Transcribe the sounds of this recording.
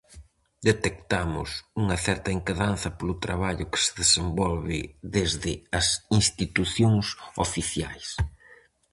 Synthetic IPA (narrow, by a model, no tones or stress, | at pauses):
d̪et̪ekt̪amʊ̰suŋɐθɛɾt̪ɐeŋkaðan̟θɐpolʊt̪ɾaβaʎʊkɪ̥sɪ̥ðesembɔlβɪðezðɪɐsinst̪it̪uθjoŋso̰fiθjajs